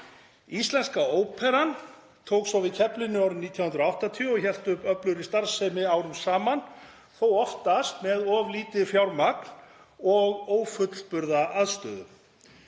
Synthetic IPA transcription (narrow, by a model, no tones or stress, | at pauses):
ist̪lɛnskaoːwpʰɛɾan | t̪ʰoːwksɔvɪcʰɛplɪnʏɔwɾɪnit̪jahʏnɾʊawht̪at̪ʰiɔɣçɛl̥t̪ʏhpœplʏɾist̪aɾsɛmɪawɾʏmsaːman | θowɔft̪ast̪mɛðɔvliːt̪ɪfjawɾmakn | ɔɣoːwfʏt̪l̥pʏɾðaʔaðst̪œ̰ːðʏ̰